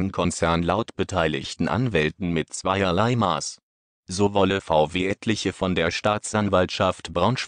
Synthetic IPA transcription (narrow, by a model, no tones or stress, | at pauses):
ənkʰɔnt͡sɛɐnlaʊtb̥ətʰaɪlɪ̰çtn̩ʔa̰nvɛltn̩mɪtt͡sv̥aɪɐlaɪma̰ːs | zoːvɔləfaʊveːʔɛtʰlɪçəfɔndeːɐʃtaːt͡sʔanvaltʃaftb̥ʁaʊ̃nʃ